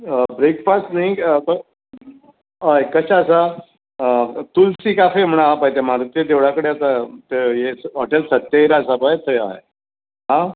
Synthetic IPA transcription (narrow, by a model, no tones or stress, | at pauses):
bɾekpasʈnaĩk | aekəɕaəsa | t̪ulsikafem̤əɽ̃aɦapajt̪em̤aɾut̪jed̪eʋɽakəɽeat̪at̪ejesɦɔʈelsət̪ːjaiɾasabajt̪ʰəja̰ɦe | ɦã